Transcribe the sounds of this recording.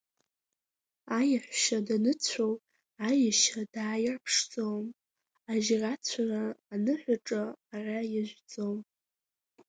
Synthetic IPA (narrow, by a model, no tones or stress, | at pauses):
ajaħʷᶣʃadanɨt͡sʷʰow | ajaʃadaːjarpʰʂd͡zʼowm | aʒrat͡sʷʰaraːnɨħʷᶣaʈ͡ʂʼaːrajaʒʷd͡zʼom